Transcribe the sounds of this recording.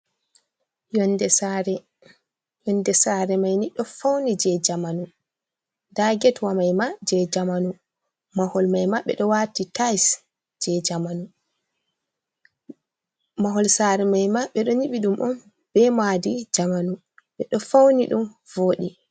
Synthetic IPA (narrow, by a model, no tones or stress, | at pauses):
jɔndɛaɾɛ | jɔndɛsaɾɛmajniɗɔfawnid͡ʒɛd͡ʒamanu | daɡɛtwamajmad͡ʒɛd͡ʒamanu | mahɔlmajmaɓɛ̰ɗɔwatitajs | d͡ʒɛd͡ʒamanu | maɦɔlsaːɾɛmajmaɓɛɗɔɲiɓiɗumʔɔm | b̥ɛmadid͡ʒamanu | ɓɛɗɔfawniɗum | voːɗi